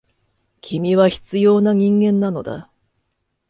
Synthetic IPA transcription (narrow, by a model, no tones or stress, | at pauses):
kʲʰimʲiβaçi̥t͡sɨjo̞ːnaɲ̟ĩŋɡẽ̞nːano̞d̪a̰